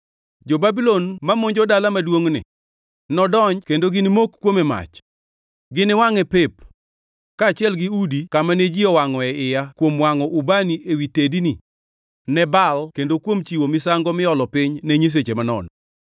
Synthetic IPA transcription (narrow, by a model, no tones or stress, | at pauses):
d͡ʒobabilonmamoɲd͡ʒɔdalamadwoŋnɪ̰ | nɔdɔɲkendoɡɪnɪmokkːwomɛma̰t͡ʃ | ɡɪnɪwaŋɛpep | kaːt͡ʃɪɛlɡɪudikamanɛd͡ʒɪɔwaŋɔɛɪjakwomwaŋɔʔubaniʔewitedini | nɛbalkendokwomt͡ʃiwomɪsaŋɡɔmɪɔlɔpɪɲnɛɲes̬et͡ʃemanɔ̰n